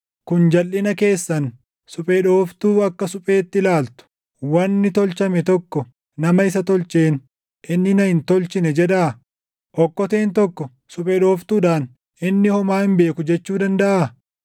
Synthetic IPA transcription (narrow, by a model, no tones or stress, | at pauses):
kʊnd͡ʒɐlʔɪnɐke̞ːsːɐn | sʊpʼeːᶑo̞ːft̪uːɐkːɐsʊpʼe̞ːt̪ːɪlaːlt̪ʊ̥ | wɐnːɪt̪ɔlt͡ʃɐmɛt̪ɔkːɔ | nɐmɐɪsɐt̪ɔlt͡ʃeːn | ʔɪnːɪnɐhɪnt̪ɔlt͡ʃɪnɛd͡ʒɛᶑɐ | ʔɔkːɔt̪eːnt̪ɔkːɔ | sʊpʼɛːɗo̞ːft̪uːᶑaːn | ɪnːɪhɔmaːɪmbe̞ːkʊd͡ʒɛt͡ʃːuːd̪ɐnd̪ɐʔa